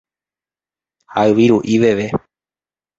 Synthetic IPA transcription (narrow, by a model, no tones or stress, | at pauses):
haɨʋiɾuʔiʋe̞ʋe